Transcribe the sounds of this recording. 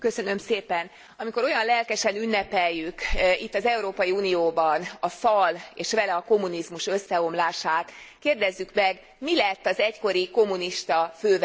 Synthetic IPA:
kø̞sø̞nø̞mseːpɛn | ɒmiko̞ɾo̞jɒnlɛlkɛʃɛnynːɛpɛjːykit̪ːɒzɛuɾoːpɒjiuːnijoːbɒnɒfɒleːʃʋɛlɛɒko̞mːunizmuʃø̞sːɛo̞mlaːʃaːt̪ | keːrd̪ɛzːykmɛɡ | milɛt̪ːɒzɛcko̞ɾiko̞mːuniʃt̪ɒføːv

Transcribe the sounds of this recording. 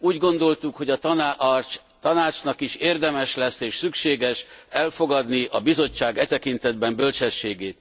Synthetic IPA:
uːɟɡo̞nd̪o̞lt̪ukho̞ɟɒt̪t͡ʃ | t̪ɒnaːt͡ʃnɒkiʃeːrd̪ɛmɛʃlɛsːeːʃsykʃeːɡɛʃɛlfo̞ɡɒd̪niʔɒbizo̞t͡ʃːaːɡɛt̪ɛkint̪ɛd̪̚bɛmbølt͡ʃɛʃːeːɡeːt̪

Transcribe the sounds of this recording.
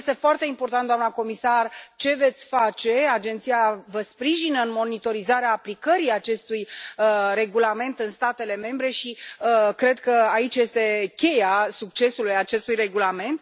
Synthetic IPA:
st̪e̞foart̪e̞impo̞rt̪ant̪d̪oamnəko̞misart͡ʃe̞ve̞t̪sʲfat͡ʃe̞ad͡ʒent̪sijavəspɾiʒinəɨnmo̞nit̪o̞ɾizaɾeaːplikəɾiat͡ʃe̞st̪uj | re̞ɡulame̞nt̪ɨnst̪at̪e̞le̞me̞mbɾe̞ʃiəkɾe̞d̪kəait͡ʃʲje̞st̪e̞kʲe̞jasuk̚t͡ʃe̞sulujat͡ʃe̞st̪ujre̞ɡulame̞nt̪

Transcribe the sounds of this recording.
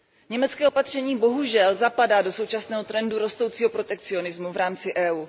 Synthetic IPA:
ɲɛmɛt͡skɛːo̞pat̪r̝̥ɛɲiːbo̞ɦuʒɛlzapadaːdo̞so̞wt͡ʃasnɛːɦo̞t̪ɾɛnduɾo̞st̪o̞wt͡siːɦo̞pɾo̞t̪ɛk̚t͡sɪo̞nɪzmuvɾaːmt͡sɪʔɛːuː

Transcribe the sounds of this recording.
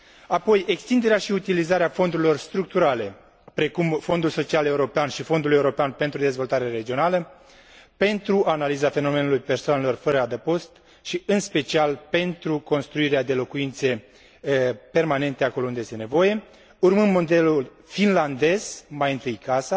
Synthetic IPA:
apo̞je̞kst̪ind̪eɾeaʃiut̪ilizaɾeafo̞nd̪uɾilo̞rst̪ɾuk̚t̪uɾale̞ | pɾe̞kumfo̞nd̪ulso̞t͡ʃiale̞uɾo̞peanʃifo̞nd̪uljeuɾo̞peanpe̞nt̪ɾud̪e̞zvo̞lt̪aɾeɾe̞d͡ʒio̞nalə | pe̞nt̪ɾuʔanalizafe̞no̞me̞nulujpe̞rsoane̞lo̞rfəɾəad̪əpo̞st̪ | ʃiɨnspe̞t͡ʃialpe̞nt̪ɾuko̞nst̪ɾuiɾead̪e̞lo̞kuint̪se̞ | pe̞rmane̞nt̪e̞ako̞lo̞und̪ejest̪ne̞vo̞je̞ | urmɨmːmo̞d̪e̞lul | finland̪e̞z̥majɨnt̪ɨjkasa

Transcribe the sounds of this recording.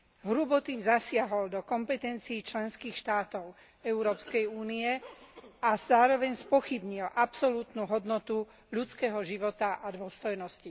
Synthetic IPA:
ɦɾubɔt̪iːmzasɪaɦɔld̪ɔkɔmpɛt̪ɛnt͡siːt͡ʃlɛnskiːxʃt̪aːt̪ɔʊ | ɛuɾɔːpskɛjuːniɛ | az̥aːɾɔʋɛɲspɔxibɲilʔapsɔlut̪nuɦɔd̪nɔt̪u | ʎut͡skɛːɦɔʒiʋɔt̪aʔad̪ʊɔst̪ɔjnɔsci

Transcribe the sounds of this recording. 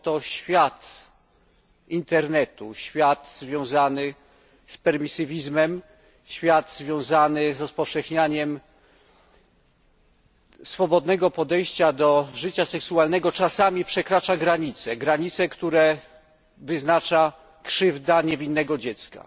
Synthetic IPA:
t̪ɔɕfʲjat̪ | int̪ɛɾnɛt̪ṵɕfʲjat̪zvʲjɔ̃w̃zanɘ | spɛɾmʲisɘvʲizmɛm | ɕfʲjad̪zvʲjɔ̃w̃zanɘzɾɔspɔfʂɛxɲaɲɛm | sfɔbɔd̪nɛɡɔpɔd̪ɛjɕt͡ɕad̪ɔʐɘt͡ɕasɛksualnɛɡɔt͡ʂasamʲipʂɛkɾat͡ʂaɡɾaɲit̪sɛɡɾaɲit̪sɛkt̪uɾɛ | vɘznat͡ʂa | kʂɘvd̪aɲɛvʲinːɛɡɔd͡ʑɛt̪ska̰

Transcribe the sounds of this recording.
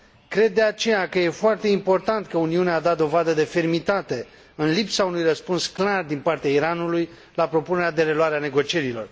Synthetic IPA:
kɾe̞d̪̚ːe̞at͡ʃe̞jakəje̞foart̪e̞impo̞rt̪ant̪kəuniunead̪at̪̚d̪o̞vad̪əd̪e̞fe̞rmit̪at̪e̞ | ɨnlipsaunujrəspunsklard̪inpart̪eaiɾanuluj | lapɾo̞pune̞ɾead̪e̞ɾe̞luaɾeane̞ɡo̞t͡ʃije̞ɾilo̞̰r

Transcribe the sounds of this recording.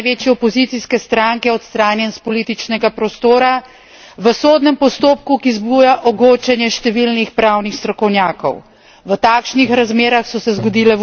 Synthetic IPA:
jʋeːt͡ʃjɛɔpɔzit̪siskɛst̪ɾaŋkɛɔt̪st̪ɾaːnjɛnspɔliːt̪it͡ʃnɛɡapɾɔst̪oːɾa | ʋəsoːd̪nɛmpɔst̪oːpkukizbujaʔɔɡoːt͡ʃɛnjɛʃt̪ɛʋilnixpɾaːwnixst̪ɾɔkɔwnʲjaːkɔ̰w | ʋət̪aːkʃnixɾazmeːɾaxsɔsɛzɡɔd̪iːlɛ

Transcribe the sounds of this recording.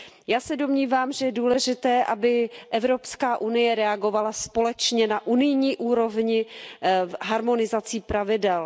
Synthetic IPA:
jaːsɛdo̞mɲiːvaːmʒɛjɛduːlɛʒɪt̪ɛːʔabɪʔɛvɾo̞pskaːʔunɪjɛɾɛaɡo̞valaspo̞lɛt͡ʃɲɛnaʔunɪjɲiːʔuːɾo̞vɲɪ | ɦaɾmo̞nɪzat͡siːpɾavɪdɛl

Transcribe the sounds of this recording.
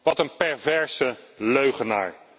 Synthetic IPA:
ʋɑtənpɛɹvɛɹsəløɥχəna̰ːɹ

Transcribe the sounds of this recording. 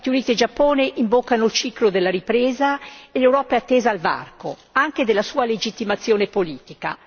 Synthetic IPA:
aːt̪iuniːt̪ied͡ʒapːoːneʔimbokːanoilt͡ʃiːklod̪elːaɾipɾeːzaelewɾɔːpaeat̪ːeːzaalva̰rko̰aŋked̪elːasuːaled͡ʒit̪ːimat̪sːjoːnepoliːt̪ika̰

